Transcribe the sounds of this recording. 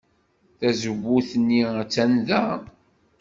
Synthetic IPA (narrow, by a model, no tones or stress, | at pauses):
θæzəβuθənːiæt͡sːænðæ